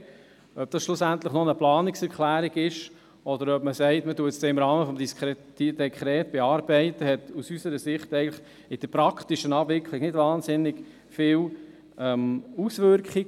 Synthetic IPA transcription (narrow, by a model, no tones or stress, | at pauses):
œb̚d̥ɑsʃlʊsænt̪ləχnonəplɑːnɪksɛɾkχlæːɾiɡɪʃ | ɔd̪əɾœpməsɛɪtmətuətsd̥eːɪmɾɑːməfɔmdiskid̥ɛkχɾɛːtb̥eɑːɾb̥ɛɪtəhɛtusysəɾəsɪχtɛɪəŋləχ | ɪd̥əpɾɑkʰtɪʃənɑbvɪkʰlɪɡnɪdvɑːnsɪnːɪɡ̥ | fɪːw | ɛmusvʏɾkχɪ